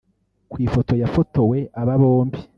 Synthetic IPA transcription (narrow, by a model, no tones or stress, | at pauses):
kwiːfo̞to̞jafoto̞we̞ʔaβaβoːmbi